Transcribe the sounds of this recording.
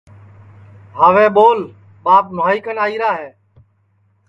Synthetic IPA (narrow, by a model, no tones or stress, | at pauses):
ɦaːʋẽːɓoːl | ɓaːp̚maːiːkənaːiːɾaːɦeː